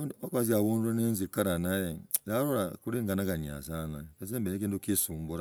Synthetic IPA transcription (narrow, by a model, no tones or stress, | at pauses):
ondiokaziaβuːnenenzikaɾanajeɾaɾoɾakuɾiŋɡanakaɲa̰zanaezembeekiːntukisuːmbuɾa